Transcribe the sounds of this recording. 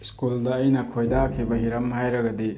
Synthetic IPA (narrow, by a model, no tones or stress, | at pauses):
skuldɐːjnɐkʰojdakʰibɐɦiɾɐmɦajɾɐɡɐdi